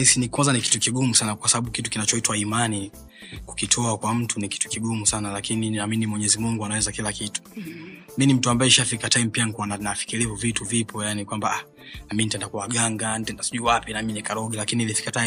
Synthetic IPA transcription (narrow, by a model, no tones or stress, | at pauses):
isinikwanzaniki̥tukiɡumusanakwasaɓaɓukitukinat͡ʃɔitwaimani | ku̥kitʰɔakwam̩tuniki̥tu̥kiɡumusanalakininaminimwɛɲɛzimuŋɡuanawɛzakilakitu̥ | minim̩tuambaɛiʃafikatajim̩pianikuwananafi̥kilivuvituvipʰɔjanikwambaa | naminitɛndakuwaɠaŋɡantɛndasi̥ʄuːwapinaminikaɾɔɡilakiniilifi̥kata